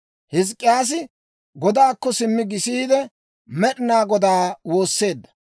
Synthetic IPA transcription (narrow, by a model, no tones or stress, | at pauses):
hɪs̬kʼːɪjaːs̬ɪ | ɡɔd̪aːkːɔsɪmːɪɡɪsiːd̪ɛ | mɛɗɪnaːɡɔd̪aːwo̞ːsːe̞ːd̪ːɐ̥